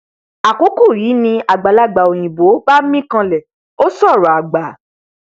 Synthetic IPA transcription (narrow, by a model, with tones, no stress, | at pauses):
a˨ko˨˦ku˦˨ɾi˨˦nĩ˧a˨ɡ͡ba˨la˦ɡ͡ba˨o˨j̃ĩ˨bo˨˦ba˦mĩ˦kã˧lɛ˨ | o˦sɔ˦˨ɾɔ˨a˨ɡ͡ba˨˦